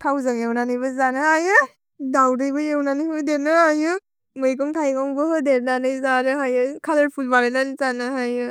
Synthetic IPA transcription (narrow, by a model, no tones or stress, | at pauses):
tʰawzɯŋjewnanɯjbɯzanɯajɯ | dawdɯjbɯjewnanɯjbɯdenɯajɯ | mɯjkɔŋtʰajɡɔŋbɯhɯdeɾnanɯjzanɯɦajɯkʰalɯɾpʰulbaɾenanzanɯɦajɯ